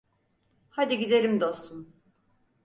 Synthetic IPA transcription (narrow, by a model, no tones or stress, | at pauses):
had̪iɟid̪eɾimd̪o̞st̪ʰum